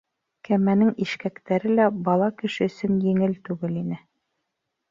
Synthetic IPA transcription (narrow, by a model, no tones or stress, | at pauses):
kæmænɘŋiʃkækt̪æɾɘlæbɑlˠɑkɘ̆ʃɘ̆ɵ̆sɘnjɘ̆ŋɘlt̪ʉɡɘlinɘ